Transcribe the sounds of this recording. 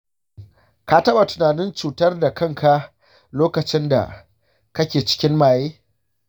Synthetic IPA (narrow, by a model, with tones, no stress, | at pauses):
ka˦tɐ˦ɓa˨tʊ̥˨naː˨nɪ˦nt͡ʃuː˨tɐ˦rda˨kɐ˦˨ŋkʰa˦ | loː˦kɐ˨t͡ʃɪ˦nda̰˨ | kɐ˦kʲeː˨t͡ʃɪ̥˦kʲɪ˦nmaː˨jeː˦